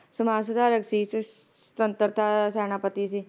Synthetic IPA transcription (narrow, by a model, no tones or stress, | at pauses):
sumaːs̬ud̪ʱaːɾəksis | t̪ɐnt̪əɾt̪ʰaʃɛːñaːpət̪isi